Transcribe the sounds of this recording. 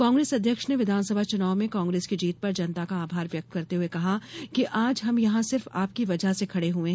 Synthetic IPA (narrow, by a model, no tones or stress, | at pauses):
kãːŋɡɾeːsɐd̪ʱjəkʃneʋɪd̪ʱaːnsɐbʱat͡ʃʊnaːʊmẽkaːŋɡɾeːskid͡ʒiːt̪̚pɐɾd͡ʒɐnt̪akaaːbʱaːɾʋjɐk̚t̪̚kɐɾt̪eɦuekɐɦakiʔaːd͡ʒɦɐmjɐɦãsɪɾfaːp̚kiʋɐd͡ʒʱasekʰɐɽeɦuẽɦ